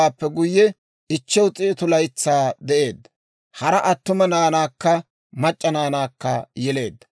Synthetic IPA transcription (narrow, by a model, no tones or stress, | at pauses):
aːpːɛɡʊjːɛ | ɪt͡ʃːɛwt͡sʼɪt̪ʊlɐjt͡sːaːd̪ɛʔe̞ːd̪ːɐ̥ | hɐɾɐʔɐt̪ːʊmɐnaːnaːkːɐ | mɐt͡ʃʼːɐnaːnaːkːɐjɛle̞ːd̪ːɐ̥